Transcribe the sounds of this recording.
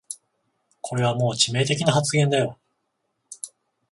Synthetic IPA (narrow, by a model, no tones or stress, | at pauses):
kʰo̞ɾe̞β̞amo̞ːt͡ɕime̞ːt̪̬e̞kʲinaɦat͡sɨɡẽ̞nd̪ajo̞